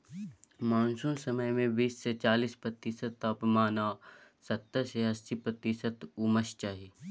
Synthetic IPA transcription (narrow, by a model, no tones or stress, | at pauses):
maːnsuːnsəməjmẽbiːsːet͡ʃaːliːspɾɐt̪iːsət̪apmaːnaːsɐt̪ːəɾseɦɐsːipɾɐt̪isət̪uməʃt͡ʃaːɦiː